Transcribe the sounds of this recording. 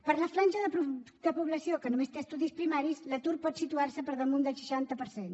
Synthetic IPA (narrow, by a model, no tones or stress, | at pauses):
pəɾləflanʲʒəðəp | d̪əpuβləsiokənumest̪eəst̪uðispɾimaɾislət̪uɾpɔt̪sit̪uarsəpəɾðəmund̪əlˠʃə̥ʃant̪əpəɾsen